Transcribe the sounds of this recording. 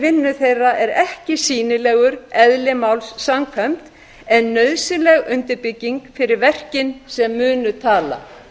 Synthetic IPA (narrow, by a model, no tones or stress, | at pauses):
vɪnːʏθejrːaʔɛɾɛhcɪsiːnɪlɛːɣʏɾɛðlɪmawlsːamkʰfɛmt̪ | ɛnːœɥðsɪlɛɣʏnt̪ɪɾpɪcːiŋkfɪɾɪɾvɛr̥cɪnsɛmːʏːnʏt̪ʰaːla̰